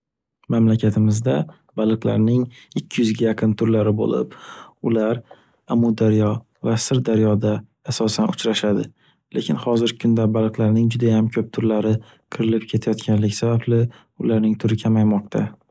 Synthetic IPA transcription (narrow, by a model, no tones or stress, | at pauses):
mamlakʲʰat̪ʰɪmɪzd̪a | balˠɨqlˠa̰ɾnɪŋ | ɪkʲʰːɪjʏzɡʲajaqʰɨnt̪ʰʊɾlaɾɪbo̰lɪ̰pʊlaɾ | amʊd̪aɾjɒ | vasɪɾd̪aɾjɒd̪aː | sɒsanʊt͡ʃɾaʃad̪ɪ | lekʲɪnhɒzɪɾʲɪkʰʊnd̪abalˠɨqlˠaɾnɪŋd͡ʒʊd̪ajamkʲʰɵp̚t̪ʰʊɾlaɾɪ | qʰɨɾɪlɪpkʲʰe̞t̪ʰajɒt̪kʲʰanlɪkʲsabablɪ | ʊlaɾnɪŋt̪ʰʊɾɪkʲʰamajmɒq̚t̪ʰa